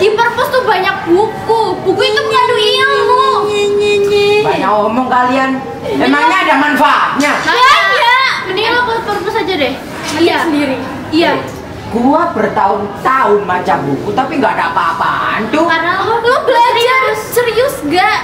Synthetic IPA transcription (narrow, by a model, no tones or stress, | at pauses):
dipərpɔst̪ubaɲak̚bukubukuit̪upladuiaŋmɲiɲiɲibaɲakɔmɔŋkalian | emaŋɲaːdamanfaɲaaajabənialapəlpərpɔsad͡ʒadɛh | iasəndiɾi | ja | ɡuabərt̪aʊŋt̪aʊmat͡ʃambukut̪apiŋɡaːdaapaːpa̰a̰nt̪ʊkarənalaloblobəɾiasəɾiʊsŋɡaʔ